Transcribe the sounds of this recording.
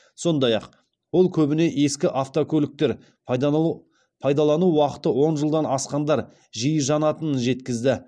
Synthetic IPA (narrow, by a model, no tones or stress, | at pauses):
so̞nd̪ɑjɑq | wo̞lˠkʲʰɵbɪne̞ʔe̞skʲɪʔaft̪okʲʰɵlɪk̚t̪e̞ɾ | pʰɑjd̪ɑlˠɑnuwɑqə̥t̪əwo̞nʒəlˠd̪ɑnɑsqɑnd̪ɑɾ | ʒijəʒɑnɑt̪ənənʒe̞t̪kʲɪzd̪ɪ